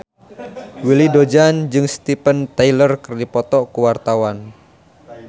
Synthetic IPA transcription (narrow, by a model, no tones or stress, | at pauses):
wilidod͡ʒand͡ʒɨŋst̪ipənt̪ajlərkərdipɔt̪ɔkuwart̪awan